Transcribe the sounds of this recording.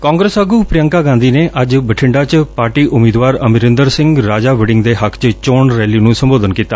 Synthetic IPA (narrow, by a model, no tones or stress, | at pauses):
kãːŋɡɾəsəɡuːpɾɪjəŋkaːɡãːnd̪iːneːʔəd͡ʒbəʈʰɪɳɖaːt͡ʃpaːɾʈiːʔʊmiːd̪ʋaːɾəmɪɾə̃nd̪əɾsɪ̃ŋɡɾaːd͡ʒaːʋɛɖɪŋɡd̪eːɦəkʰt͡ʃt͡ʃoːɳɾɛːliːnũːsəmboːd̪ənkiːt̪ːaː